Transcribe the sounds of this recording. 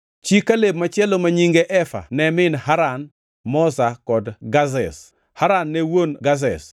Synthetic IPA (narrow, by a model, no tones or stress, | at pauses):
t͡ʃikːaleb̚mat͡ʃjɛlomaɲiŋɡeʔɛfa̰nɛmɪnhaɾan | mɔsakɔdɡazɛs | haɾanːɛwonɡaz̬ɛs